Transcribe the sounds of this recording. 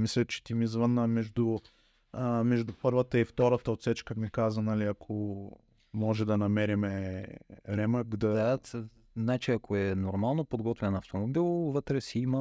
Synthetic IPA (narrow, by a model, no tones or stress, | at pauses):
mislʲɛt͡ʃɛ̥t̪imizvənəmɛʒd̪ʊ | mɛʒd̪ʊpɤɾvət̪əift̪ɔɾət̪əot̪sɛt͡ʃkəmikazənɐliɐkʰo | mɔʒɛd̪ɐnɐmɛɾimɛ | ɾɛməkd̪ɐd̪a | znat͡ʃiɐkʰoɛnoɾmalˠnopod̪ɡɔt̪vʲɛnɐft̪omobilˠvət̪ɾɛsiimə